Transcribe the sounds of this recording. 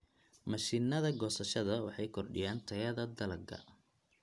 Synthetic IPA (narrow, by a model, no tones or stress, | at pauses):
mɐʃiːnɐðɐɡɔːsɐʃɐðɐwɑħɑjkʰɔrɖɪ̰jaːnt̪ʰɐjɐðɐd̪ɐlɐɡɐ̰